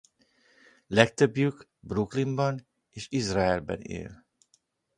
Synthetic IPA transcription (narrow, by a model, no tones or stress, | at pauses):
lɛk̚t̪øbjyk | bruklimbɒn | eːʃizraɛlbɛ̰nḛːl